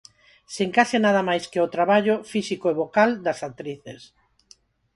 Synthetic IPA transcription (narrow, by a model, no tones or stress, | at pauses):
seŋkasenað̞ɐmajskeot̪ɾaβaʎofisikoeβokald̪ɐsak̚t̪ɾiθes